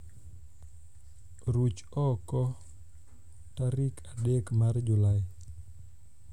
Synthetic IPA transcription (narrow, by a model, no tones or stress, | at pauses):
ɾut͡ʃ | ɔkɔ | taɾikʰadekmard͡ʒʊlaɪ